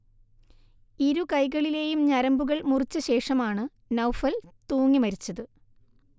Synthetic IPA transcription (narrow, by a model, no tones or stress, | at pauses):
iɾukɐjɣɐɭile̞ːjumɲɐɾɐmbuɣɐɭmurit͡ɕːɐɕe̞ːʂɐmaːɳɨ | nɐwfɐlt̪uːŋːimɐɾit͡ɕːɐðɨ